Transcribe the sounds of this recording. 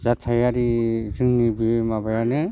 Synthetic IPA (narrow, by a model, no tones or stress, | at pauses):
zatʰːajaɾizɯŋnibiemabajanɯ